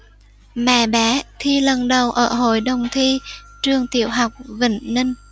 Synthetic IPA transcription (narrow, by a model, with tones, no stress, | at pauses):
ma̰ː˧˩ɓaː˨˦t̪ʰi˧lə˨˩nɗə˨˩wʔəː˧˩ɦo̰˧˨jɗə˨˩wŋ͡mt̪ʰi˧t͡ɕɨ˧əŋt̪ḭ˧˩˨əwɦa˨˩wk͡p̚vḭ˧˩ŋni˧ŋ